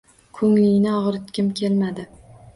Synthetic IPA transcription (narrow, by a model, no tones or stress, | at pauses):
kʰɵŋlɪjnɪɒʁɾɪt̪kʲɪmkʲʰe̞lmad̪ɪ